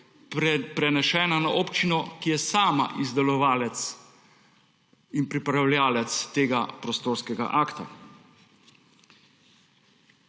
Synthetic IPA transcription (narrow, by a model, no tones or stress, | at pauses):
pɾɛnɛʃɛːnanaʔoːpt͡ʃinɔkijɛsaːma̰ʔizd̪ɛlɔʋaːlɛt̪s | inpɾipɾawlʲjaːlɛt̪st̪eːɡapɾɔst̪oːɾskɛɡa̰ʔaːkt̪a̰